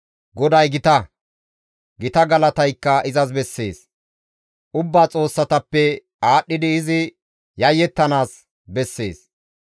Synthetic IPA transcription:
ɡɔd̪ɐjɡɪt̪ɐ | ɡɪt̪ɐɡɐlɐt̪ɐjkːɐʔɪzɐs̬bɛsːe̞ːs | ʔʊbːaːt͡sʼo̞ːsːɐt̪ɐpːɛ | aːɗːɪd̪ɪːzɪ | jɐjːɛt̪ːɐnaːs | bɛsːe̞̰ːs

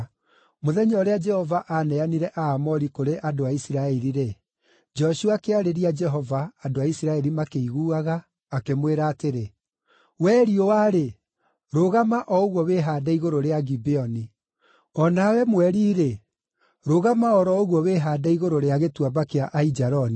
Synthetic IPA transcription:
moðɛɲɔɔɾead͡ʒɛhɔvaʔanɛaniɾɛʔaːmɔɾikoɾeʔadoaisiɾaɛɾiɾe | d͡ʒɔʃuakeaɾeɾiad͡ʒɛɦɔvaːdoaisiɾaɛɾimakeiɣuːaɣaː | kemweɾaːteɾe | wɛːɾiowaɾe | ɾoɣamaʔɔoɣwɔβeɦadaiɣoɾoɾeaɡibeɔni | ɔnawɛmwɛɾiːɾe | ɾoɣamaɔɾɔoɣwɔβeɦadaiɣoɾoɾeaɣetwabakeaʔaid͡ʒaɾɔni

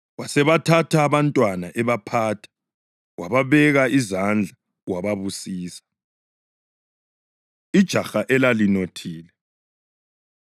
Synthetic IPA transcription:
wasɛβatʰatʰaːβantʼwanaʔɛβapʰaːtʰḁ | wa̰βaβɛɣaizand͡ɮʱa | waβaβusiːsḁ | id̥ʒ̥ʱaxaʔɛlalinotʰiːlɛ

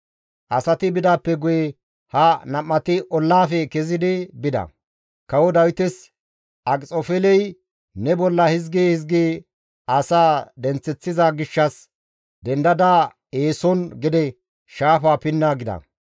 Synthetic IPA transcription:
ʔɐsɐt̪ɪbɪd̪aːpːɛɡʊjɛ | hɐnɐmːɐt̪ɪʔɔlːaːfɛkɛzɪd̪ɪbɪd̪ɐ̰ | kɐwɔd̪ɐwɪt̪ɛs | ʔɐkʼt͡sʼɔfɛlɛj | nɛbɔlːɐhɪzɡiːhɪzɡi | ɐsaːd̪ɛnt͡sːɛt͡sːɪzaɡɪʃːɐs | d̪ɛnd̪ɐd̪a | eːsɔnɡɪd̪ɛ | ʃaːfaːpɪnːaːɡɪd̪ɐ̰

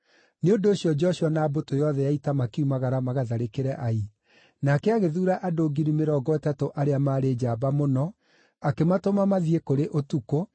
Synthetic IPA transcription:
neondoːɕiɔd͡ʒɔɕɔnaːbotojɔðɛjaitamakeumaɣaɾamaɣaðaɾekeɾɛʔai | nakɛaɣeðuːɾaʔadoɡiɾimeɾɔɡɔɛtatoʔaɾeamaːɾed͡ʒaːbamonɔ | akematomamaðiekoɾeʔotuko

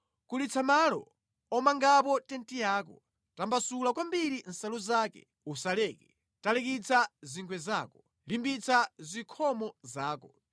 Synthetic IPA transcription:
kulit͡sʰamalɔ̰ | ɔmaŋɡap̬ɔtɛntijaːkɔ̰ | tambasulakwambiɾin̩salɔzaːkɛ̰ | usalɛːkɛ | talɛkit͡sʰaziŋɡwɛzaːkɔ | limbit͡sʰazikʰɔmɔzaːkɔ

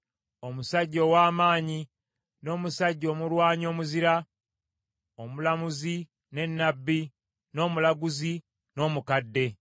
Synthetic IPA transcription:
o̞musaɟːo̞ːwaːmaːɲi | no̞ːmusaɟːo̞ːmulwaːɲo̞ːmuziɾa | omulamuzi | ne̞nːabːi | no̞ːmulaɡuzi | no̞ːmukadːe̞

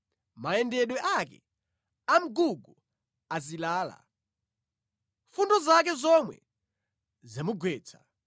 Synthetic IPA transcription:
maɛndɛɗwɛʔakɛ̰ | am̩ɡuɡu | azilaːla̰ | fundɔzak̬ɛzɔmwɛ̰ | zamuɡwɛːt͡sʰḁ

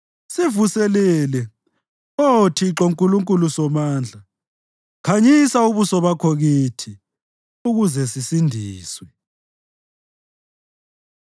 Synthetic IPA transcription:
sivusɛlɛːlɛ | otʰiǁoŋkʼuluŋkʼulusɔmaːnd͡ɮʱa | kʰaɲisauβusɔβakʰoɣiːtʰi | uɣuzɛsisindʱiːswɛ

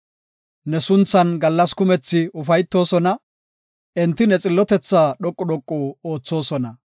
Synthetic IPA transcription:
nɛsʊnt͡sːɐnɡɐlːɐskʊmɛt͡sːɪʊfɐjt̪ːo̞ːsɔnɐ | ʔɛnt̪ːɪnɛt͡sʼɪlːɔt̪ɛt͡sːaːɗɔkʼːɔɗɔkʼːuːo̞ːt͡sːo̞ːsɔnɐ

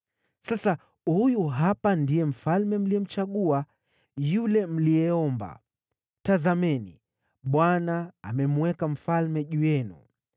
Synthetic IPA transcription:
sasa | hujuɦapandijɛm̩falmɛm̩lijɛm̩t͡ʃaɠua | julɛm̩lijɛɔmba̰ | tazamɛnḭ | ɓwana̰ːmɛmuwɛkam̩falmɛʄujɛnṵ

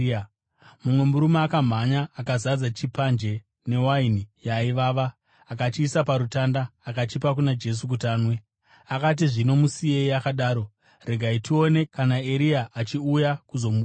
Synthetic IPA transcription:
mumwe̞muɾumaːkam̤aɲaːkazad͡zat͡ʃipand͡ʒe̞ | ne̞wainijaiʋaːʋaː | kat͡ʃiːsapaɾutandaːkat͡ʃipak̬unad͡ʒe̞s̬uk̬utaːnwe | akat̬iʐino̞musieiakaɗaːɾo̞ | re̞ɡʱaitio̞ne̞kanae̞ɾiaʔat͡ʃiujakuzo̞mu

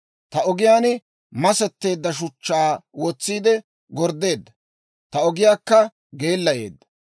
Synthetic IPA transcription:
t̪ɐɔɡɪjaːnɪ | mɐsɛt̪ːe̞ːd̪ːɐʃ̬ʊt͡ʃːaːwɔt͡sːiːd̪ɛ | ɡɔɾd̪ːe̞ːd̪ːɐ | t̪ɐɔɡɪjaːkːɐ | ɡe̞ːlːɐje̞̰ːd̪ːɐ̥

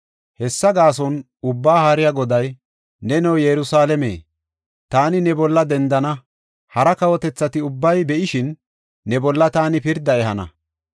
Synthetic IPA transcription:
hɛsːɐɡaːs̬ɔn | ʊbːaːhaːɾɪjaɡɔd̪ɐj | nɛnɛwjɛɾʊsaːlɛmḛː | t̪aːnɪnɛbɔlːɐd̪ɛnd̪ɐnɐ | hɐɾɐkɐwɔt̪ɛt͡sːɐt̪ɪʊbːɐjbɛʔɪʃɪnː | ɛbɔlːɐt̪aːnɪpɪɾd̪ɐɛɦɐnɐ̰

